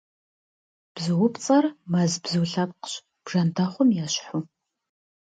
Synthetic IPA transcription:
b̥zɨwʊpʰt͡sʼɐrmɐzbzɨwɬɐp̚qə̥ɕ | b̥ʐ̥ɐntʰaχʷʊmjaːɕħʊ

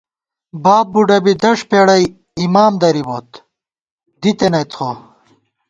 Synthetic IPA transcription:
baːb̚buɖɐbid̪ɐʂpeɽɐj | imaːmd̪ɐɾibot̪ | d̪it̪enɐjt̪xo

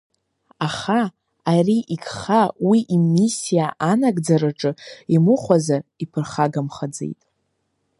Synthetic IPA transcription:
aχaː | riʔikʰχawiʔimisijaʔanaɡʼd͡zaɾaʈ͡ʂʼɨimɨχʷazaripʰɨrχaɡamχad͡zḛjtʼ

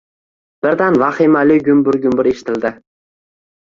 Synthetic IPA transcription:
b̥ɪɾd̪anvaχimalɪɡʲʊmbʊɾɡʲʊmbʊɾeʃɪ̥t̪ʰɪld̪ɪ

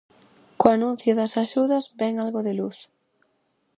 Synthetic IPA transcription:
koanũn̟θjoðasaʃuðazbɛŋalɣoðeluθ

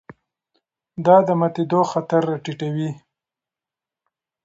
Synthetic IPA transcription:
d̪ɑd̪əmat̪id̪oxat̪aɾːɑʈiʈawi

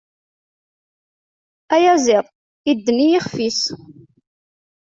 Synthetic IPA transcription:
æjæzɪðˤ | id̪ːənijɪχfis

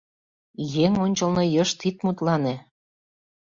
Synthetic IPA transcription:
jeŋonʲt͡ɕɤ̆lnɤjɤʃt̪it̪̚mut̪lɑne

